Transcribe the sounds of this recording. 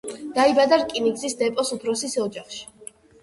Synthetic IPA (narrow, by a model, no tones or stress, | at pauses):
d̪̥aibad̪aɾkʼiniɡzisd̪ɛpʼɔsupʰɾɔsisɔd͡ʒaχʃi̥